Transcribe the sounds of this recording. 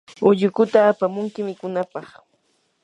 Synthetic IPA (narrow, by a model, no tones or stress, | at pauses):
ʊʎʊkʊt̪aːpamʊŋkɪmɪkʊnapɑχ